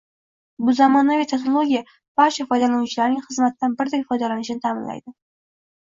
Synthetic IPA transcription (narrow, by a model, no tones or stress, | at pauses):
bʊzamɒnavʲɪt̪ʰeknolˠoɡʲija | b̥aɾt͡ʃʰafɒjd̪alanut͡ʃʰɪlaɾnɪŋχɨzmat̪ːanbɪɾd̪akʲfɒjd̪alanɪʃɪnɪt̪ʰamɪnla̰jd̪ɪ